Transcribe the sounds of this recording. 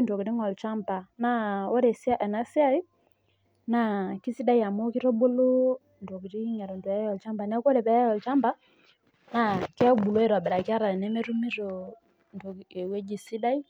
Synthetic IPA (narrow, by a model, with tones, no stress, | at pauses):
ndɔ˨ki˨ɾi˦ŋɔ˨lt͡ʃa˦mba˨na˨ɔ˦ɾɛ˨sa˦ʔɛ˨na˦si˦a˦i˦ | na˨ki˦si˦da˦i˦ja˨mɔ˦ki˦ɾɔ˦bo˦lo˦ | ndɔ˨ki˨ɾi˦ɲa˨ɾɔ˨ndwɛ˨ɛ˦jɔ˨lt͡ʃa˦mba˨nɛ˦kɔ˦ɾɛ˨pɛ˨˦jɔ˨lt͡ʃa˦mba˦ | na˨kɛ˦bu˨lɔ˦ɛ˦˨ɾwa˨bɛ˨ɾa˨ki˦a˦ɾa˨ɾɛ˨nɛ˦mɛ˦ɾu˦mi˦ɾo˨ | ndo˨e˨we˦d͡ʒi˨si˦da˦i˦